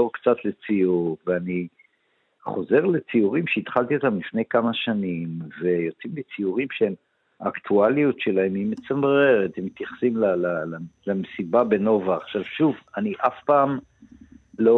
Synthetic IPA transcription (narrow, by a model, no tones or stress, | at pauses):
oʁkt͡sat̪le̞t͡sijuʁveani | χo̞ze̞ʁlet͡siuʁimʃeit̪χalt̪io̞t̪amlifne̞jkamaʃanimve̞jo̞t͡simlit͡siuʁimʃeem | aːkt̪ʰualijutʃe̞lahemimet͡samʁe̞ʁet̪hemːit̪jaχsimlalalalamesibabe̞no̞vaːχʃavʃuvaniʔafpaːm | lo̞